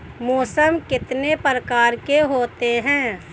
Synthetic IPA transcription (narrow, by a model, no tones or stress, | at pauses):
moːsəmkɪt̪nepɾəkaːɾkeɦoːt̪eɦɛ̃ː